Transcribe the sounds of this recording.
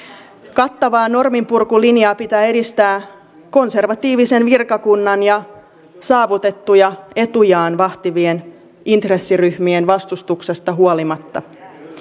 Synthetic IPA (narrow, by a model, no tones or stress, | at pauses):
kɑt̪ːɑʋɑːno̞rmimpurkulinjɑːpit̪æːe̞dist̪æː | ko̞nse̞rʋɑt̪iːʋise̞nʋirkɑkunːɑnjɑ | sɑːʋut̪e̞t̪ːujɑe̞t̪ujɑːnʋɑht̪iʋien | int̪re̞sːiryhmienʋɑst̪ust̪ukse̞st̪ɑɦuolimɑt̪ːɑ